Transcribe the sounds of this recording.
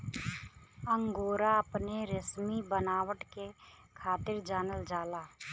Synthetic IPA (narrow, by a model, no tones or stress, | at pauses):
ə̃ŋɡoːɾaɐpneɾɪsmibənaːwəʈke | kʰaːt̪ɪɾd͡ʒaːnəld͡ʒaːlaː